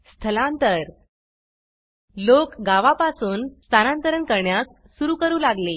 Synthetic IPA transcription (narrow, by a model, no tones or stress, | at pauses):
st̪ʰəlãnt̪əɾ | lokɡaʋapasuːnst̪ʰanãnt̪əɾənkəɾɳjas | suɾuːkəɾuːlaɡle